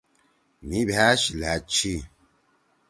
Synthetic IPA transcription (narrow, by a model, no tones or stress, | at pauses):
mibaʃilat͡ʃi